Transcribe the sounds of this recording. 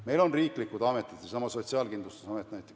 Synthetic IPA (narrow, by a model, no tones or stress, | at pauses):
me̞jlo̞nriːklikːˑud̪ɑme̞t̪ːˑid̪̥jɑsɑmɑso̞t̪ʲsiɑːlkind̪lust̪u̥sɑmet̪ːˑnæjt̪ːˑe̥k